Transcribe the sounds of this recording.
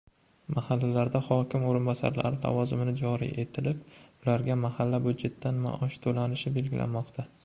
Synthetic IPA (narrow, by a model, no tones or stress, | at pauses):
mahalːalaɾd̪ahɒkʲɪmoɾɪnbɒsa̰ɾla̰ɾɪla̰vɒzɪmɪnɪd͡ʒɒɾḭʔe̞t̪ʰɪlɪp̚ʊlaɾɡʲamahalːabʊd̪d͡ʒe̞t̪ʰːanma̰ʔɒʃt̪ʰolanɪʃɪbe̞lɡʲɪlʔa̰nmɒqt̪ʰa